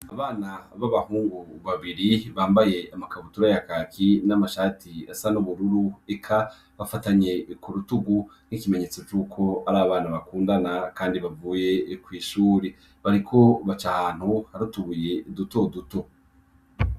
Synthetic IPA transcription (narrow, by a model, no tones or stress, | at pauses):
aβaːnaβaβahuːŋɡuβaβiɾiβaːmbaje̞amakaβutuɾajakakinamaʃaːtiasanuβuɾuɾuekʰa | βafataɲe̞kuɾutuɡun̥ikime̞ɲe̞ːt͡so̞t͡ʃuːkʰo̞aɾaβaβaːnaβakuːndanakaːndiβavuːje̞kwiːʃuːɾe | βaɾikʰo̞βat͡ʃaan̥huhaɾutuβuje̞duto̞duto̞